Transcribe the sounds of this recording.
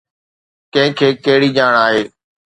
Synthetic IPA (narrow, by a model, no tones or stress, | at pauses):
kɐ̃ɦɪ̃kʰeːkeɦɪɽiːʄaːɳ̃aːɦeː